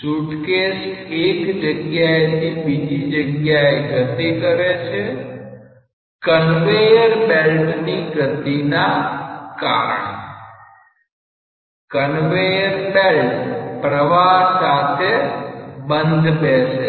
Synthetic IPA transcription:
suʈkesʈekd͡ʒəɡjaet̪ʰibid͡ʒ̪ʱid͡ʒəɡjaeɡət̪ikəɾet͡ʃʰe | kənʋejəɾbelʈniɡət̪inaka̰ɾə̰ɳ | kənʋejəɾbelʈpɾəʋaɦsat̪ʰe | bənd̪ʱbeʃe

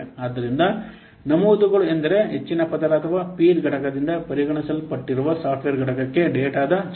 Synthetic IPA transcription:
aːd̪ːɐɾind̪ɐ | nɐmuːd̪uɡɐɭuend̪ɐɾe̞ɦet͡ʃːinɐpɐd̪ɐɾɐːt̪ʰɐʋaːpiːɾɡɐʈɐkɐd̪ind̪ɐpɐɾiɡɐɳisɐlpɐʈːiɾuʋɐsaːʈʰʋeːɾɡɐʈɐkɐkːe̞ɖeːʈaːd̪ɐs

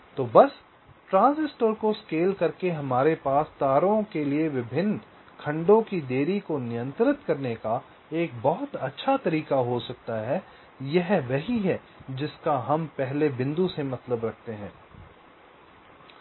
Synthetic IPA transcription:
t̪oːbɐs | ʈɾãːnsɪsʈəɾkoskeːlkɐɾkeɦɐmaːɾepaːst̪aːɾõkelieʋɪbʱɪnː | kʰɐ̃ɳɖõkid̪eːɾikonɪjə̃nt̪ɾɪt̪kɐɾneka | eːk̚bɔɦʊt̪ɐtːʃʰat̪ɐɾiːkaɦosɐk̚t̪aɦɛ | jɐɦʋɐɦiɦɛ | d͡ʒɪskaɦɐmpɛɦlebɪ̃nd̪usemɐt̪ləbɾɐk̚ʰt̪eɦɛ̰̃ː

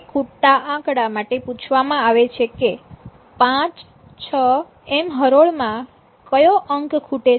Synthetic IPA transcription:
kʰuʈːaʔãkɽamaʈeput͡ʃʰʋamãaʋet͡ʃʰeke | pãt͡ʃ | t͡ʃʰə | emɦəɾoɭmã | kəjoʔəŋkkʰuʈe

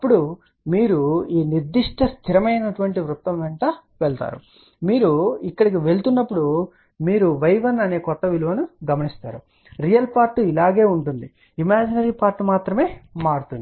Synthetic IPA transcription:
ɐpːuɽu | miːɾuiːniɾd̪iʂʈʰɐst̪ʰiɾɐmɐjnɐʈuʋɐɳʈiʋɾut̪ːɐmʋɛɳʈaːʋɛɭt̪a̰ːɾṵ | miːɾuikːɐɽikiʋe̞ɭt̪unːɐpːuɽu | miːɾuʋɐjʋɐnɐne̞ːkɔt̪ːɐʋiluʋɐnuɡɐmɐnist̪a̰ːɾu | ɾijɐlpaːɾʈːuilaːɡe̞ːuɳʈund̪i | imaːd͡ʒinɐɾiːpaːɾʈːumaːt̪ɾɐme̞ːmaːɽut̪und̪i

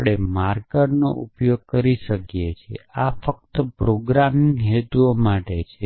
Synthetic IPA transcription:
pɽemaɾkənno̰ʔṵpjoɡ̚kəɾiʃəkjet͡ʃʰḛafək̚t̪əpɾoɡɾamiiɦet̪uomaʈet͡ʃʰe

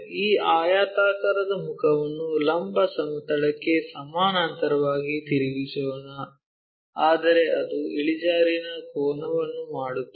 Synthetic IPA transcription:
iːaːjaːt̪aːkɐɾɐd̪ɐmukʰɐʋɐnːulɐmbʱɐsɐmɐt̪ɐɽɐkːe̞sɐmaːnaːnt̪ɐɾɐʋaːɡit̪iɾiɡisɐʋɐnɐ | aːd̪ɐɾe̞ʔɐd̪uiɭid͡ʒaːɾinɐkɔːnɐʋɐnːumaːɽut̪ːu

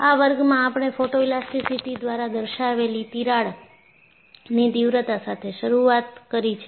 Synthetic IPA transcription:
aʋəɾɡmãːpɳ̃efoʈoilast̪isʰit̪id̪ʋaɾad̪əɾʃaʋelit̪iɾaɭ | nid̪iʋɾət̪asat̪ʰeʃəɾuat̪kəɾit͡ʃʰe

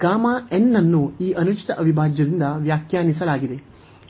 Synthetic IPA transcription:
ɡaːmaːenːɐnːuiːʔɐnut͡ʃi̥t̪ɐʔɐʋʱibʱaːd͡ʒjɐd̪ind̪ɐʋjaːkjaːnisɐlaːɡid̪e̞

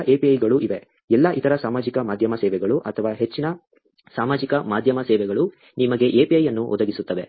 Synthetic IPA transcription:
ʔeːpiɐjɡɐɭuʔiʋe̞ | ɛlːɐʔit̪ʰɐɾɐsaːmaːd͡ʒikɐmaːd̪ʱjɐmɐsɛːʋɛɡɐɭuʔɐt̪ʰɐʋaːɦe̞t͡ʃːinɐ | saːmaːd͡ʒikɐmaːd̪ʱjɐmɐsɛːʋɛɡɐɭu | nimɐɡe̞ʔeːpiɐjːɐnːuʔɔd̪ɐɡisut̪ːɐʋe̞

